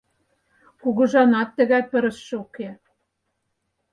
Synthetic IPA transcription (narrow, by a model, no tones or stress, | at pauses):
kuɣɤ̆ʒɑnɑt̪ːɘ̆ɣæpɘ̆ɾɘ̆ʃːɘ̆uke